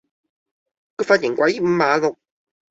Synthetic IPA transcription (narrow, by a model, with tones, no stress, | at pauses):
ko˧˥faː˧t̚ji˨˩ŋkʷwa˨˥ji˥˩m̩˧maː˨˧˦lʊ˨˧k̚